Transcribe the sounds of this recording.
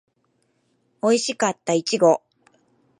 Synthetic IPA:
o̞iɕikat̪ːait͡ɕiɡo̞

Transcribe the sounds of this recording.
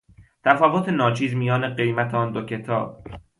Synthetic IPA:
t̪ʰæfɒːvot̪ʰenɒːt͡ʃʰiːzmijɒːne̞ɢe̞jmæt̪ʰeɒːnd̪ocʰe̞t̪ʰɒːb̥̚

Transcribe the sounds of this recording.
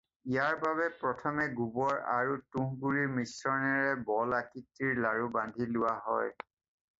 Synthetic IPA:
ijaɹbaβɛpɹɔtʰɔmɛɡubɔɹa̰ɹutuŋɡuɹiɹmisɹɔnɛɹɛbɔlakitːiɹlaɹubandʱilʊwaɦɔj

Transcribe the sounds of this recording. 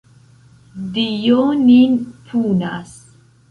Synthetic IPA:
dijoninpʰunas

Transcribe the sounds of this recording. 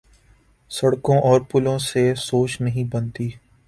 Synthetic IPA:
sɐɽkõʔɔːɾpʊlõsesoːt͡ʃnɐɦĩbɐnt̪iː

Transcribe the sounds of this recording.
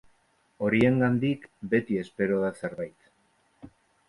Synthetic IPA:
o̞ɾie̞ŋɡand̪ikbe̞t̪ie̞spe̞ɾo̞ð̞ase̞ɾβajt̪

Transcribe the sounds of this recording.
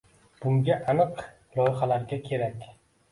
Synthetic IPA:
b̥ʊŋɡʲaʔanɨq | lˠɒjɪχalaɾɡʲakʲʰe̞ɾakʲ

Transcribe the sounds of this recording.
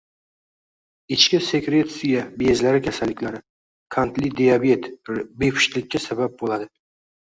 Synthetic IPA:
ɪt͡ʃkʲɪse̞kɾe̞t̪sɪjabezlaɾɪkʲʰasalːɪkʲlaɾɪ | kʰant̪lɪd̪ejabe̞t̪be̞pʰɪ̥ʃlɪkʲːasabap̚bolad̪ɪ

